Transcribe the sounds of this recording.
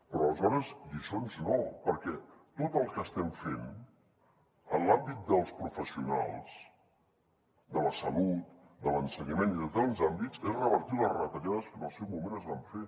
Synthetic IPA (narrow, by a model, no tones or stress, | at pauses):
pɾɔːləzɔɾəzd̪isonznɔpəɾkɛt̪ot̪əlˠkəst̪ɛmfen | ənlambit̪̚d̪əlˠspɾufəsiuna̰lˠs | d̪ələsəlut̪̚ | d̪ələnsəɲəmeniðət̪anzambit͡sezrəβəɾt̪iləzrət̪əʎaðəskənəlˠsɛwmumenəzβaɱfe